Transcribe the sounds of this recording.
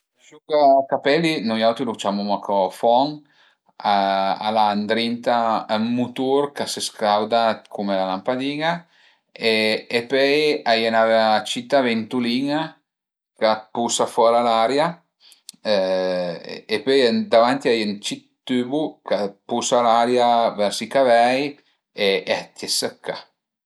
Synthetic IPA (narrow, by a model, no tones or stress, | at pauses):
ʃukakapɛlinujawt̪ilut͡ʃamumakʰɔfɔŋ | aa̰land̪ɾint̪aːmːut̪uɾkaseskawd̪akʰumɛlalampad̪iŋa | eepøjajanavt͡ʃit̪avent̪uliŋa | kapusafɔɾalaɾja | epøjnd̪avant̪iajent͡ʃit̪ːybukapusalaɾjavɛɾsikavɛj | eat̪jesəkːa